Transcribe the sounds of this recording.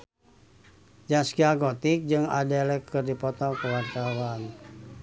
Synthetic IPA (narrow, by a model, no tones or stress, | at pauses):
d͡ʒaskiaɡot̪ɪk̚d͡ʒɨŋa̰dɛlɛkːərdipɔt̪ɔkəward͡ʒawan